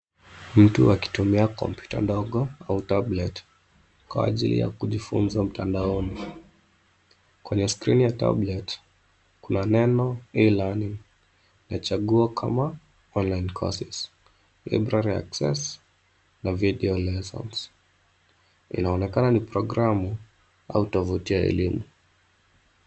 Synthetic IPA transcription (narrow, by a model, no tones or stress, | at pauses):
m̩tuaki̥tumiakɔ̰mpʰju̥ta̰ndɔɠɔautablɛt | kwa̰ːʄḭlḭja̰kuʄifṵnzam̩tʰandaɔni | kwɛɲɛskɾinijata̰blɛt | kunanɛnɔilaniŋ | nat͡ʃaɠuɔkʰa̰ma | ɔnlajnkʰɔ̰sis | la̰bɾaɾia̰ksɛ̰s | naviɗɛɔlɛsɔ̰ns | ḭnaɔnɛkananipɾɔɡɾamu | a̰utɔvutiaɛ̰limu